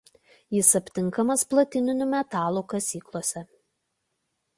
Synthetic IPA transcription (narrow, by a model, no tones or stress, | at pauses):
jɪsɐpʲt̪ʲɪŋˑkɐmɐsplˠɐt̪ʲɪnʲɪnʲʊmʲɛt̪ɑːlˠuːkɐsʲiːklˠoːsʲɛ